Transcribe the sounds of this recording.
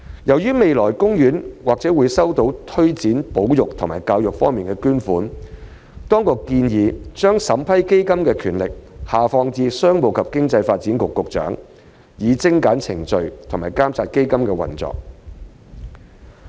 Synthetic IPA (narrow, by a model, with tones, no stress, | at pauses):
jɐ˨˩wjyː˥me˨jlɔː˨˩jkʊ˥ŋjyː˨˥nwaː˨k̚t͡sɛː˨˥wuː˨˧jsɐ˥wt̪o˨˥wt̪ʰɵ˥ɥt͡siː˨˥npo˨˥wjʊ˨k̚t̪ʰʊ˨˩ŋmaː˨˩jkaː˧wjʊ˨k̚fɔː˥ŋmiː˨nkɛː˧kyː˥nfuː˨˥n | t̪ɔː˥ŋkʊ˨kːiː˧njiː˨˧t͡ʃœː˥ŋsɐ˨˥mpʰɐ˥jke˥jkɐ˥mkɛː˧kʰyː˨˩nlɪ˨k̚haː˨fɔː˧ŋt͡siː˧sœː˥ŋmo˨wkʰɐ˨p̚kɪ˥ŋt͡sɐ˧jfaː˧t̚t͡siː˨˥nkʊ˨kːʊ˨k̚t͡ʃœ̰ː˨˥ŋ | jiː˨˧t͡sɪ˥ŋkaː˨˥nt͡sʰɪ̰˨˩ŋt͡sɵ˨˧ɥt̪ʰŋmaː˨˩jkaː˥msʰaː˧t̚ke˥jkɐ˥mkɛː˧wɐ̰˨˩nt͡sɔ̰ː˨k̚